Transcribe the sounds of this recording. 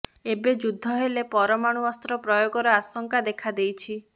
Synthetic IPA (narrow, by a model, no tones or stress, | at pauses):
ebed͡ʒud̪ʱːɔɦelepɔɾɔmaɽ̃uɔst̪ɾɔpɾɔjoɡɔɾɔasɔŋkad̪ekʰad̪ejt͡ʃʰi